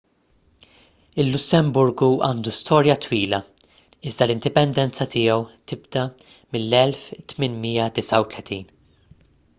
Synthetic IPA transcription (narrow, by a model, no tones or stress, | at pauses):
ɪlːʊsːɛmbʊɾɡuɐ̰ːnd̪ust̪ɔːɾjɐt̪wiːlɐ | ɪzd̪ɐlɪnd̪ɪpɛnd̪ɛnt͡sɐt̪ɪːjɔwt̪ɪb̚d̪ɐ | mɪlːɛlft̪mɪnmijɐd̪ɪsɐwt̪lɛt̪iːn